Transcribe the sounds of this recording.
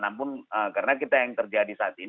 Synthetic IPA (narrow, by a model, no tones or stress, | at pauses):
nampʊnəkaɾənakit̪ajaŋt̪ərd͡ʒadisat̪i